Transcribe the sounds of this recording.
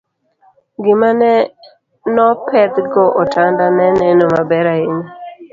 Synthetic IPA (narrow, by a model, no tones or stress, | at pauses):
ɡɪmanɛ | nɔpɛt̪ɡɔʔɔtandanɛnɛnomabɛɾaɪni